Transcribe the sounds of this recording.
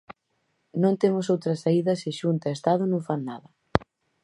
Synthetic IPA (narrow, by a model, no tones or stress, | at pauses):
nõnt̪emʊs̬owt̪ɾɐsaiðɐsɪʃunt̪ɐest̪að̞ʊnõŋfannaðɐ